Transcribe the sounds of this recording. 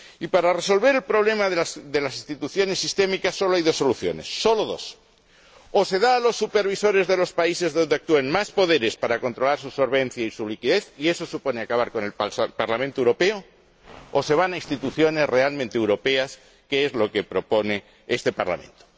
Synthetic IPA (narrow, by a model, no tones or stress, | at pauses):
ipaɾare̞so̞lβ̞e̞ɾelpɾo̞β̞le̞maðsðe̞lasinst̪it̪uθjo̞ne̞sːist̪e̞mikasːo̞loajðo̞sːo̞luθjo̞̰ne̞sːo̞loðo̞̰s | ose̞ðaːlosːupe̞ɾβ̞iso̞ɾe̞zðe̞lo̞spaise̞zðo̞nd̪e̞ak̚t̪ueŋmaspo̞ðe̞ɾe̞spaɾako̞nt̪ɾo̞laɾsuso̞ɾβẽ̞n̟θjaisulikiðe̞θie̞so̞supo̞neakaβ̞aɾko̞ne̞lpaɾlamẽnt̪owɾo̞peo | ose̞β̞anaist̪it̪uθjo̞ne̞zre̞almẽnt̪ewɾo̞pe̞as | keezlo̞ke̞pɾo̞po̞ne̞ | est̪e̞pa̰ɾla̰mḛ̃nt̪o̥